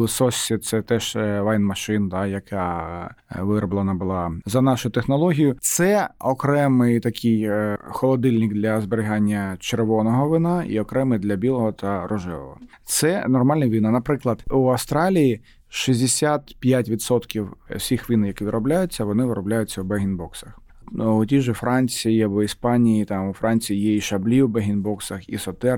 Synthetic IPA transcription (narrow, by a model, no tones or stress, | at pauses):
sɔsʲːit̪sɛt̪ɛʃʋɑjnmɐʃɪnd̪ɑjɐkʰɑ | ʋɪɾɔblˠɐnɐbʊlˠɑzɐnɑʃʊt̪exnɔlˠɔɦʲijʊt̪sɛɔkɾɛmɪjt̪ɐkʰɪjxɔlˠɔd̪ɪlʲnɪkd̪lʲɐzbeɾʲɪɦɑnʲːɐt͡ʃerʋɔnɔɦɔʋɪnɑḭɔkɾɛmɪjd̪lʲɐbʲilˠɔɦɔt̪ʰɐɾʔɔʒɛʋɔ̰ɦɔ̰ | t̪sɛnɔrmɑlʲnɐʋʲinɑnɐpɾɪklˠɐd̪uɐwst̪ɾɑlʲiji | ʃizʲd̪esʲat̪pʲjatʲʋʲid̪sɔt̪kʲiwsʲixʋʲinjɐkɪʋʲɪd̪ɾɔblʲajʊt͡sʲːɐʋɔnɪʋɪɾɔblʲajʊt͡sʲːɐwbɛɦʲinbɔksɐx | ʊtʲiʒɪfɾɑnʲt͡sʲijiɐbɔispɑnʲijit̪ɑmʊfɾʔɑnʲt͡sʲijijɛiʃɐblʲiwbɛɦʲinbɔksɐxḭsɔt̪ɛ